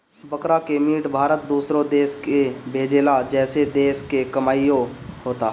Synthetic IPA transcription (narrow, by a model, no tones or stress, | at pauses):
bəkɾakemiːʈbʱaːɾət̪̚d̪uːsɾõd̪eːskebʱeːd͡ʒeːlad͡ʒɛːsed̪eːskekɐmaːijõɦoːt̪aɦ